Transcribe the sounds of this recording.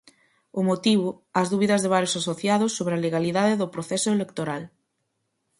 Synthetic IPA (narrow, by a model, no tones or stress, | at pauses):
ʊmot̪iβʊ | ɐzðuβiðɐzðeβaɾjosasoθjaðʊsːoβɾealeɣaliðaðeðʊpɾoθɛsʊelekt̪oɾal